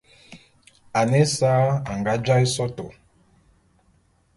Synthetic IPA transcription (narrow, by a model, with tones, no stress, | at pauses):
a˨nɛ˦saː˦a˨ŋɡa˦d͡ʒa˦i˦sɔ˦to˨